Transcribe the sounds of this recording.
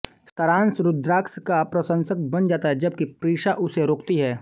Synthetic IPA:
st̪ɐɾãːnsɾʊd̪ɾaːkskapɾɐsə̃nsəkbɐnd͡ʒaːt̪aɦɛd͡ʒɐb̚kipɾiːʃaʔʊseɾoːkt̪iɦɛː

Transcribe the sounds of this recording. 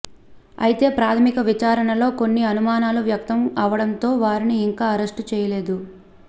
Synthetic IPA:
ɐ̰jit̪e̞ːpɾaːt̪ʰɐmikɐʋit͡ʃaːɾɐɳɐlo̞ːko̞nːiɐnumaːnaːluʋjɐkt̪ɐmɐʋɐɽɐnt̪o̞ːʋaːɾiniːŋkaːɐɾesʈut͡ʃɛːjɐle̞ːd̪u

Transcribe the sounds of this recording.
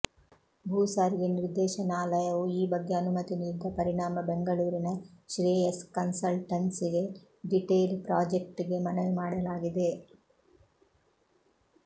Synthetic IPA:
bʱuːsaːɾiɡeniɾd̪ɛːʃɐnaːlɐjɐʋuiːbɐɡːeɐnumɐt̪iniːɾd̪ːɐpɐɾiɳaːmɐbeŋɡɐɭuːɾinɐʃɾiːjeskɐnsɐlʈɐɳsiɡe̞ | ɖiʈeːlpɾaːd͡ʒek̚ʈiɡe̞mɐnɐʋumaːɽɐlaːɡid̪e̞

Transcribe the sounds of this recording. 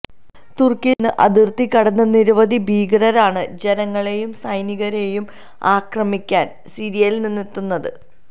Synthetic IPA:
t̪urkenːɨʔɐd̪irt̪ikɐɽɐnːɐniɾuʋɐðibʱiːɡrɐɾaːɳɨd͡ʑenɐŋːɐɭe̞jumsɐjniɣɐɾejum | aːkrɐmikʲːaːn | siɾijɐlninːit̪ːunːɐðɨ

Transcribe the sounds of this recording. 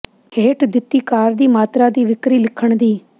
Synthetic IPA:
kʰeːʈd̪ɪt̪ːiːkaːɾd̪iːmaːt̪ɾaːd̪iːʋɪkɾiːlɪkʰəɳd̪iː

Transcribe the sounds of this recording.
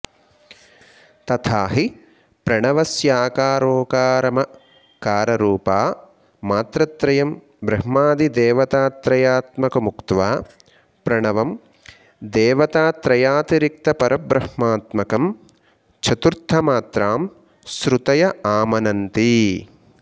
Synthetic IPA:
t̪ɐt̪ʰaːɦi | pɾɐɳɐʋɐsjaːkaːɾoːkaːɾɐmɐ | kaːɾɐɾuːpaː | maːt̪ɾɐt̪ɾɐjɐm | bɾɐɦmaːd̪id̪eːʋɐt̪aːt̪ɾɐjaːt̪mɐkɐmukt̪ʋaː | pɾɐɳɐʋɐm | d̪eːʋɐt̪aːt̪ɾɐjaːt̪iɾik̚t̪ɐpɐɾʔɐbɾɐhmaːt̪mɐkɐm | t͡ʃʰɐt̪uɾt̪ʰːɐmaːt̪ɾaːm | sɾut̪ɐjɐaːmɐnɐnt̪i

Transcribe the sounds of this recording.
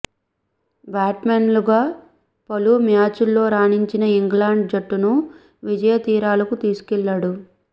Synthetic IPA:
bjaːʈmeːnluɡaː | pɐlumjaːt͡ʃulːo̞ːɾaːniɲt͡ʃinɐiŋɡlaːɳɖ̚d͡ʒɐʈːunu | ʋid͡ʒɐjɐt̪iːɾaːlɐkut̪iːsu̥kɛlːɐɽu

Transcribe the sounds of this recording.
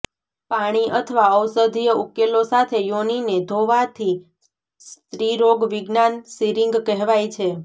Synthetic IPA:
paɽ̃iʔət̪ʰəʋaəwsəd̪ʱijəukːelosat̪ʰejonined̪ʱoʋat̪ʰi | st̪ɾiɾoɡʋiɡnansiɾiŋɡkɛɦʋajt͡ʃʰe

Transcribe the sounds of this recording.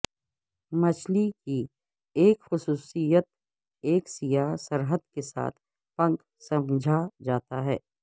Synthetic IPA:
mɐt͡ʃʰliki | eːkxʊsuːsijət̪̚ | eːksijasəɾɦəd̪̚kesa̰ːt̪ʰ | pɐ̃ŋk | sɐmd͡ʒʱad͡ʒaːt̪aɦɛː

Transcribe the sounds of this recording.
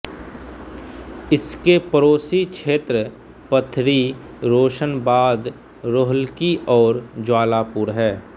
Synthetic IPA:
ɪskepəɾoːsikʃʰeːt̪ɾə | pət̪ʰɾi | ɾoːʃənbaːd̪ | ɾoːɦəlkiɔːɾd͡ʒwaːlapʊːɾɦɛː

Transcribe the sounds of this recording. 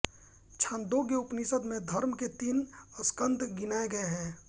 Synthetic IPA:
t͡ʃʰãːnd̪oɡeʊpnisəd̪mẽd̪ʱəɾmket̪iːnəskə̃nd̪ʱɡɪnaːeɡɐeɦɛ̃ː

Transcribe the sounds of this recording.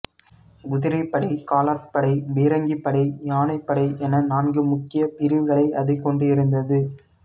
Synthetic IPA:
ɡʊðɪɾɐɪpːɐɽɐɪkaːlaːʈpɐɽɐɪbeːɾɐŋɡipːɐɽɐɪjaːnɐɪpːɐɽɐɪʔɛnɐnaːnɡɯmʊkːɪjɐpɪɾɪʋɣɐɭɐɪʔɐðɐɪkːɔɳɖɯɪɾɯnd̪ɐðɯ

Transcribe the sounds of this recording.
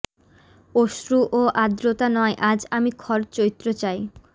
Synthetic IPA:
oʃɾuʔoʔad̪ɾot̪anɔeʔad͡ʑamikʰɔɾt͡ɕoɾit̪ːɾot͡ɕaj

